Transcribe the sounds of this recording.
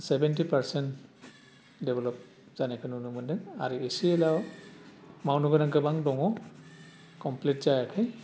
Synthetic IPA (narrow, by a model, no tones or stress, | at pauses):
sɛbɛntipaɹsɛnt | dɛbɔlɔp̚ | z̥anɛkʰɯnunumɯndɛŋa̰ɹiesiɛlaw | mawnuɡɯnaŋɡɯbaŋdɔŋɔ | kɔmplitzajakʰɛj